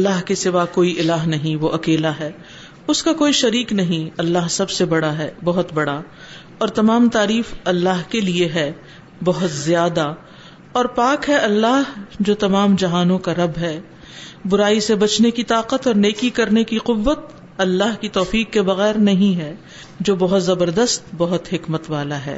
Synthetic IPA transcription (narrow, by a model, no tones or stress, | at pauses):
ɐlːaːɦkesɪʋakoːiʔɪlaːɦnɐɦĩʋoʔɐkeːlaɦɛː | ʊskakoːiʃɐɾiːknɐɦĩɐlːaɦsɐbsebɐɽaɦɛːbɐɦʊt̪bɐɽa | ɔːɾt̪ɐmaːmt̪aːɾiːfɐlːaːɦkelieɦɛ | bɐɦʊt̪zjaːd̪a | ɔːɾpaːkɦɛʔɐlːaːɦd͡ʒoːt̪ɐmaːmd͡ʒɐɦaːnõkaɾɐbɦɛ | bʊɾaːisebɐt͡ʃnekit̪aːqət̪ɔːɾneːkikɐɾnekiqʊʋːət̪̚ | ɐlːaːɦkit̪ɔːfiːqːebɐɣɛːɾnɐɦĩɦɛ | d͡ʒoːbɐɦʊt̪zɐbəɾd̪əst̪bɐɦʊt̪ɦɪkmət̪ʋaːlaɦɛ̰ː